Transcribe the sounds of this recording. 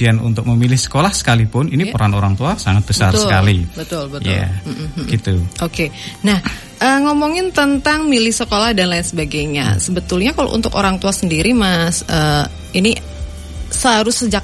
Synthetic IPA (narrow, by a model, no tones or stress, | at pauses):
ianṵnt̪ʊk̚məmilɪhsə̥kolahsə̥kalipʊninipəɾanoɾaŋt̪uasaŋat̪̚bəsart̪səkalibət̪ʊlbət̪ja̰m̩m̩ɡ̥it̪uʔokenah | ʔəːŋomɔŋɪnt̪ənt̪aŋmilɪhsəkolahdanlansəbaɡajɲa̰səbət̪ʊlɲakalo̰ʔṵnt̪ʊkoɾaŋt̪uasəndiɾimasʔəː | ini | səaɾʊsːəd͡ʒak̚